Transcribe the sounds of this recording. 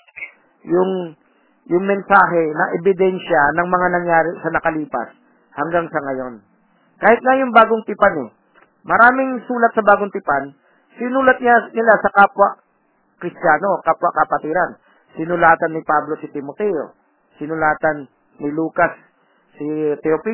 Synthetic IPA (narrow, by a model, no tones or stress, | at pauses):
jʊŋ | jʊŋmɛnsaːɦɛnɐʔɛbɪd̪ɛnʃɐnɐŋmɐŋanɐŋjaːɾɪsɐnɐkɐliːpɐ̰s | hɐŋɡaŋsɐŋɐjo̞n | kaːhɪt̪̚ŋajʊŋbaːɡoŋt̪ɪpanɛ | mɐɾaːmɪŋsuːlɐt̪̚sɐbaːɡoŋt̪ɪpan | sɪnuːlɐt̪̚ɲanɪlasɐkaːpwɐ | kɾɪst̪jaːno̞kaːpwɐkɐpɐt̪iːɾɐn | sɪnʊlaːt̪ɐnːɪpablo̞sɪt̪ɪmot̪ɛjo̰ | sɪnʊlaːt̪ɐnː | ɪluːkasː | ɪt̪ɛopi